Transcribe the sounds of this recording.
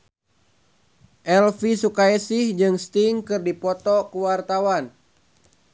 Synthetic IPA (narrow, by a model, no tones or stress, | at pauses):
ʔɛlfisukaisɪhd͡ʒɨŋst̪iŋkɨrdipɔt̪ɔkuwart̪awan